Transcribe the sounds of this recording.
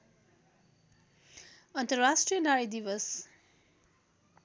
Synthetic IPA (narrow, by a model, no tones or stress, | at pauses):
ʌnt̪ʌrasʈrijʌnaɾid̪iʋʌs